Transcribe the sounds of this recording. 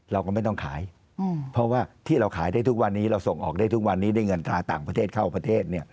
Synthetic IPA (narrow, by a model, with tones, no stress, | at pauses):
ɾa˧wkɔ˥˩ma˥˩jt̪ɔ˥˩ŋkʰaː˩˦j | pʰɾɔ˦˥waː˥˩t̪ʰiː˥˩ɾa˧wkʰaː˩˦jdaː˥˩jt̪ʰu˦˥k̚wa˧nːiː˦˥ɾa˧wso˨˩ŋʔɔ̰ː˨˩k̚daː˥˩jt̪ʰu˦˥k̚wa˧nːiː˦˥daː˥˩jŋɤ˧nt̪ɾaː˧t̪aː˨˩ŋpɾa˧t̪ʰeː˥˩t̪kʰa˥˩wpɾa˧t̪ʰeː˥˩t̪̚ni˥˩ɐ